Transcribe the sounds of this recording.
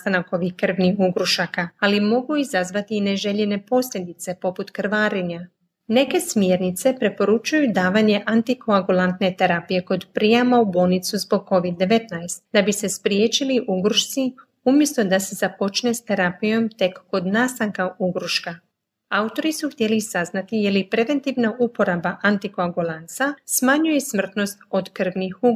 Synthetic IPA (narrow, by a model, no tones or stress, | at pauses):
st̪anako̞ʋihkr̩ʋnixuɡɾuʃakaalimo̞ɡuizazʋat̪iːne̞ʒe̞ʎe̞ne̞po̞sʎʲe̞d̪it̪se̞po̞put̪kr̩ʋaːɾiɲa | ne̞ke̞smje̞ɾnit̪se̞pɾe̞po̞ɾut͡ʃujud̪aːʋaɲe̞ʔant̪ikʰoaɡulˠant̪ne̞t̪e̞ɾapije̞ko̞d̪pɾijamaubo̞ːlˠnit̪suzbo̞ɡ̚ko̞ʋid̪ːe̞ʋe̞t̪najst̪d̪abise̞spɾjeːt͡ʃiliʔuɡɾuʃt̪si | umje̞st̪o̞d̪ase̞z̥apo̞t͡ʃne̞st̪e̞ɾapijo̞mt̪e̞kːo̞d̪nast̪aŋkauɡɾuʃka | aut̪o̞ɾisuxt̪je̞lisaznat̪ijelipɾe̞ʋe̞nt̪iʋnaʔupo̞ɾabaʔant̪ikoaɡulˠansasmaɲujesmr̩t̪no̞st̪o̞d̪kr̩ʋnixu